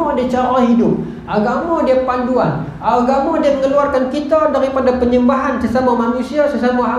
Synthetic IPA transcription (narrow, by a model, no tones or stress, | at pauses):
ɔdiat͡ʃaɾahidʊp̚ | aɡamɔdiapanduan | aɡamɔdiaməŋəluarkankit̪adaɾipadapəɲəmbaɦansəsamamanusiasəsamaa